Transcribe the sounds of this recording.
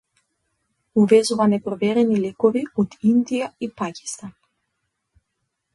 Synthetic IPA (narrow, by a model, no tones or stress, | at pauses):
uvɛzuvanɛpɾɔvɛɾɛnilɛkɔviot̪ind̪ijaipakʲi̥st̪an